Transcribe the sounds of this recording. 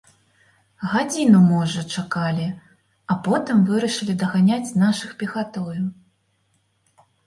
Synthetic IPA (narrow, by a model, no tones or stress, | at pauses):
ɣad͡zʲinumɔʐɐt͡ʂakalʲi | apɔt̪ɨmvɨɾɐʂɨlʲid̪ɐɣanʲat͡sʲnaʂɨxpʲixat̪ɔju